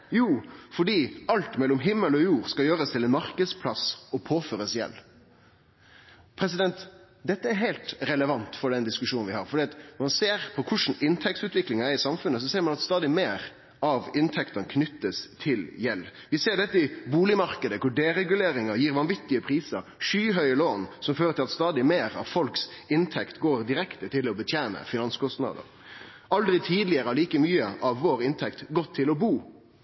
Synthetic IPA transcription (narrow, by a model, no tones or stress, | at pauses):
juːfɔɖiːɑlt̪mɛlːɔmɦɪmːəlɔjuːɾskɑljøːɾəst̪ʰɪlɛnmɑɾkəd̪spʰlɑsɔpʰoːføːɾəsjɛ̰lː | pʰɾɛsɪd̪ɛnt̪ | d̪ɛt̪ːəæɾɦɛɪlt̪ɾɛləʋɑnt̪fɔɖ̪ɛnd̪ɪskʉʂuːnn̩ʋɪhɑɾfɔɖ̪iːɑt̪nɔɾmɑnseːɾpʰɔkʰʊʂn̩ɪnt̪ʰɛk̚t̪sʉːt̪ʋɪklɪŋɑæɾɪsɑmfʉnːəs̬ɔseːɾmɑnɑt̪st̪ɑːd̪ɪmeːɾ | ɑʋɪnt̪ʰɛkt̪ənkʰnʏt̪ːəst̪ʰɪljɛlːʋɪseːɾɖɛt̪ːəɪbuːlɪmɑɾkəd̪əkʊɖeːɾɛɡʉleːɾɪŋɑjiːɾʋɑnʋɪt̪ːɪəpʰɾiːsə̰ɾʂyːɦœʏəloːnsɔmføːɾəɾt̪ʰɪlɑt̪st̪ɑːd̪ɪmeːɾɑ̰ʋfɔlksɪnt̪ʰɛkt̪ɡoːɾd̪ɪɾɛkt̪ət̪ʰɪlɔbət̪ʰjæːnə̰fɪnɑnskʰɔst̪nɑ̰ːd̪ə̰ɾ | ʔɑld̪ɾɪt̪ʰiːd̪lɪəɾəɑliːkəmyːəʔɑʋːoːɾɪnt̪ʰɛkt̪ɡɔt̪ʰːɪlɔbuː